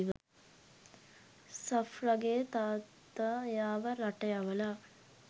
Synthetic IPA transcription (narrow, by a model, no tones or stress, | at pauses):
ʋ | sɐfɾaɡeət̪aːt̪ːajaːʋəɾaʈɐjaʋəla